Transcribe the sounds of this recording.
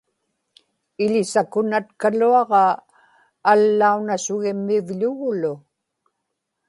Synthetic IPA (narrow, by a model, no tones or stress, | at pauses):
ɪʎɪsakʊnat̪kaluɑʁɑː | lːaunasʊɣɪmːɪvʎʊɣʊlʊ